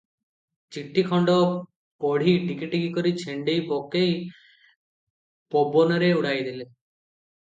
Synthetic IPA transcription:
t͡ʃiʈːikʰɔɳɖɔ | pɔɽ̤iʈikiʈiɡikoɾit͡ɕʰeɳɖejpɔkej | pɔbɔnɔɾeuɽ̤ajd̪ile

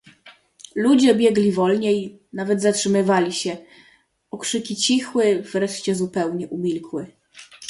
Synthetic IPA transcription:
lud͡ʑɛbʲjɛɡlʲivɔlɲɛj | navɛd̪zatʂɘmɘvalʲiɕɛ | ɔkʂɘkʲit͡ɕixwɘv̥ɾɛʂt͡ɕɛzupɛwɲɛʔumʲilkwɘ

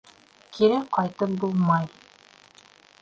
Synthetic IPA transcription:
kʰiɾækqɑjt̪ɤp̚bulˠmɑj

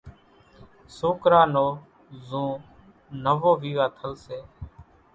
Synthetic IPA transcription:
soːkɾaːnoː | zũː | nəʋoːʋiːʋaːt̪ʰəlseː

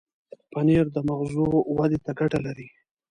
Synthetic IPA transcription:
paneɾd̪əmaxzuwad̪et̪aɡaʈalaɾi

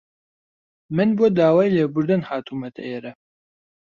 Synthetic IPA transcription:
mɨnbuod̪aːwaːjleːbʊɾd̪ɐnhaːt̪ʰuːmɐt̪ʰɐ̰ɛɾɐ

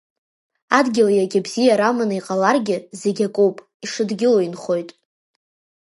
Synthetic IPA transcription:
adɡʲɪlajaɡʲabzijaɾamanɨiqʼalarɡʲɪze̞ɡʲakʼowpʼ | iʂɨdɡʲɪloinχo̞jtʼ

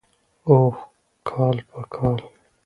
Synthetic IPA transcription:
oː | kʰaːlpakʰaːl

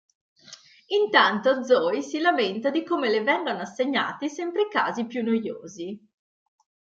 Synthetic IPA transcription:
int̪ant̪od̪zːɔjsilament̪ad̪ikoːmelevɛŋɡonoasːeɲːa̰ːt̪isɛmpɾeka̰ːzipjunːojo̰ːzi

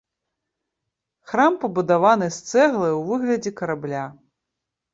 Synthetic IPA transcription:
xɾampɐbud̪avanɨst̪sɛɣlˠɨwvɨɣlʲɐd͡zʲɛkɐɾablʲa

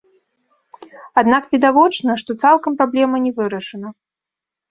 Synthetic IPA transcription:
ad̪nakvʲid̪avɔt͡ʂnɐʂt̪ɔt̪salˠkɐmpɾablʲɛmɐnʲɛvɨɾɐʂɨnɐ

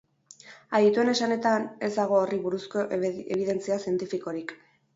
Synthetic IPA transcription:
aðit̪ue̞ne̞sane̞t̪ane̞zd̪aɣ̞o̞ːriβuɾusko̞ʔeβ̞iðe̞nt͡siasie̞nt̪ifiko̞ɾik

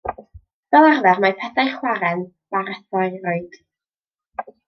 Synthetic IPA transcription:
vɛlˠarvɛrmapʰɛθajχwaɾɛn | vaɾɛθɔɨrʊɨd̥

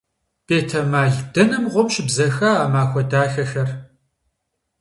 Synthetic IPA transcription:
peːtʰɐmaːɮdɐnɨmʁʷʊmɕʼɪbzɐxaːamaːxʷɔdaːxɐxɐr

